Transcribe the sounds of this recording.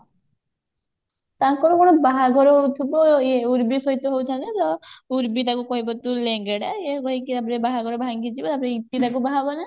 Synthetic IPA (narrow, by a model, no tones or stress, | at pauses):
t̪aŋkɔɾɔkɔɽ̃ɔbaɦaɡʱɔɾɔɦowt̪ʰibɔeuɾbisɔɦit̪ɔɦowt̪ʰanet̪ɔuɾbit̪akukɔɦibɔt̪uleŋɡeɽaekɔɦikiapɔɾebaɦaɡʱɔɾɔbʱaŋɡit͡ʃibɔt̪apɔɾeit̪it̪akubaɦabɔna